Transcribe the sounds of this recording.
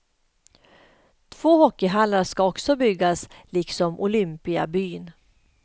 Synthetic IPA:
t̪ʰv̥oːhɔkːɪɦanaʂkaɔksɔbʏɡːaslɪksɔmʔʊlʏmpɪa̰byːn

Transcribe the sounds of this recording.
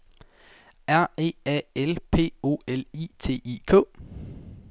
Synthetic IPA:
ʔæɐ̰e̝̰ːɛ̰elpʰe̝̰ːo̝̰ːeliːt͡sʰe̝̰ːiːkʰɔ̰̽ː

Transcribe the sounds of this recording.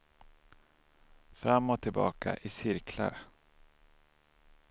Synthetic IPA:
fɾamːɔt̪ʰːɪlbɑ̰ːkʰa̰ʔɪsɪɾkʰla̰ɾ

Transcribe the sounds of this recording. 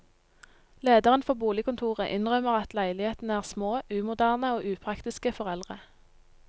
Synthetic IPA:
leːd̪əʁənfɔʁbuːlɪkʊnt̪ʰuːʁəʔɪnʁœməʁɑt̪læɪlɪheːt̪n̩əæːʁsmoːʉːmʊd̪æːʁnəoːʔʉːpʰʁɑkt̪ɪskəfɔʁɛlʁə

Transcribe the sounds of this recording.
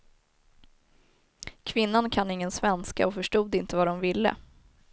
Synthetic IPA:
kʰvɪnːankʰanːɪŋːənsvɛnska̰ɔfœʂʈuːd̪ɪnt̪əvad̪ɔmvɪlːə̰

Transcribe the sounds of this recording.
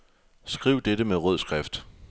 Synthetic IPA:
sɡ̥ʁiʊ̰d̥eɾəmeʁɔð̰ˠsɡ̥ʁɛfd̥

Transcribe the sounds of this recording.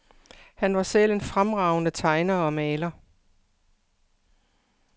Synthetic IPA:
hænʋɑ̈sel̰e̝nfʁamʁɑ̈ʊnət͡sʰɑ̈ɪnɐɒ̽mɛːlɐ

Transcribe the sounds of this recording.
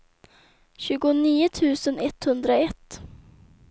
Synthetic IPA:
ɕʉ̟ːɡʊniːʊt̪ʰʉ̟ːsənɛt̪hɵnd̪ɾaɛt̪ː

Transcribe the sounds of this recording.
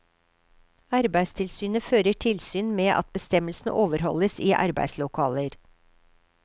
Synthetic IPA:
ɑɾbæɪst̪ʰɪlsyːnəføːɾəʈʰɪlsyːnmeːʔɑ̰t̪̚bəst̪ɛməlsn̩ʔoːʋəɾhɔ̰ləsiːʔɑ̰ɾbæ̰ɪd̪slʊkʰɑːləɾ

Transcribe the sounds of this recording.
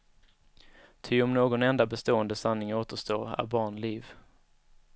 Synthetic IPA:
t̪ʰɪɔmnoːɡɔnɛnd̪abɛst̪oːɛnd̪əsanːɪŋoːt̪əʂt̪oːɾæ̰ɾbɑːɳliːv

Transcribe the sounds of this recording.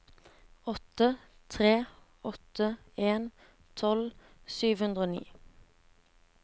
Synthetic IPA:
ɔt̪ət̪ʰʁeː | ɔt̪ə | eːn | t̪ʰɔl | syːʋhʉnd̪ʁoːnḭː

